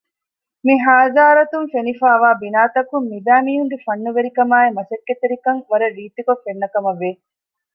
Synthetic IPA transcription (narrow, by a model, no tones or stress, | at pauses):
miɦaːzaːɾɐt̪umfenifaːʋaːbinaːt̪ɐkumːibæːmiːɦuŋɡefɐnːuʋeɾikɐmaːemɐsɐkːet̪eɾikɐŋʋɐɾɐɾiːt̪ikofːenːɐkɐmɐʋeː